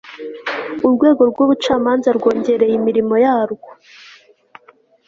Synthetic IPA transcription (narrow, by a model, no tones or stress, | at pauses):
uɾɡwe̞ːɡo̞ɾɡwuβut͡ʃaːmaːnzaɾɡo̞ːɲɟe̞ɾe̞jimiɾimo̞jaːɾɡo